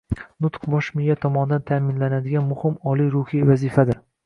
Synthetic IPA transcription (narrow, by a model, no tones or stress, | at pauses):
nʊt̪qbɒʃmɪjat̪ʰɒmɒnɪd̪ant̪ʰamɪnlanad̪ɪɡʲanmʊhɪmɒlijɾʊhijvazɪfad̪ɪɾ